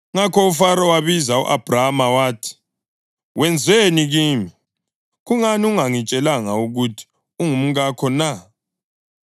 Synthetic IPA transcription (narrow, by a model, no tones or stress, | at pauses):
ŋakʰɔufaɾɔwaβizaṵʔab̥ʱramawaːtʰi̥ | wʔɛnd͡zʱeniɣiːmi | ɣuŋaniuŋaŋit͡ʃʼɛlaŋauɣutʰi̥ | uŋum̩ɣakʰɔna